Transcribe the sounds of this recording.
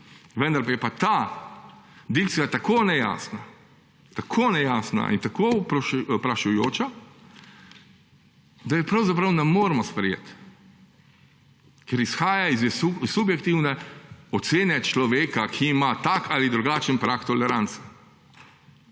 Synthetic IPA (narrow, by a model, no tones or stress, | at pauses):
ʋənd̪aɾpajɛpat̪a | d̪ik̚t̪sijat̪akoːnɛja̰ːsna | t̪akʰoːnɛjasna̰ʔḭnt̪akopɾɔʃpɾaʃajoːt͡ʃa | d̪ajɛpɾɐwzap̬ɾɐwnɛmoːɾmɔspɾɛjḛːt̪ | kɛɾisxaːjaizusubjɛkt̪iwnɛɔt̪seːnɛt͡ʃlɔʋeːkakʰiːmat̪akalid̪ɾuɡaːt͡ʃənpɾakt̪ɔlɛɾant̪s